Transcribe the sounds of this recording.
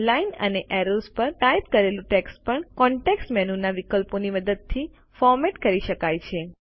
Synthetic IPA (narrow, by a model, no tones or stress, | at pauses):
lainə̰neʔɛɾospəɾt̪ajp̚kəɾelũʈeksʈpəɳkɔɳʈeksʈmɛnunaʋikəlponiməd̪əd̪̚t̪ʰi | fɔɾmeʈkəɾiʃəkajt͡ʃʰe